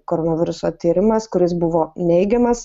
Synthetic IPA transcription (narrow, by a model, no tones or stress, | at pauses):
koːɾoːnɐʋʲɪɾʊsoːt̪ʲiːɾʲɪmɐskʊɾʲɪsbʊʋoːnʲɛɪɡʲɛmɐs